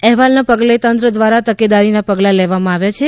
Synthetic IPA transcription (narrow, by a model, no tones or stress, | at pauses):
ɛɦʋalnapəɡlet̪ənt̪ɾəd̪ʋaɾat̪əked̪aɾinapəɡlalɛʋamãaʋjat͡ʃʰe